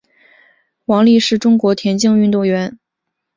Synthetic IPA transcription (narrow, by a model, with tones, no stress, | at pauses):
wɑ˧˥ŋli˥˧ʂɻ̩˥˩ʈ͡ʂʊ˥ŋkwɔ˧˥t̪ʰjɛ˧˥nt͡ɕi˥˧ŋy˥˧t̪ʊ˥˩ŋɥɛ˧˥n